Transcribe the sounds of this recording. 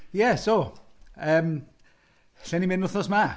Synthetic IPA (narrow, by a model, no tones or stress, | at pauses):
jɛso | əːm | ɬɛnimɪnʊθnɔsma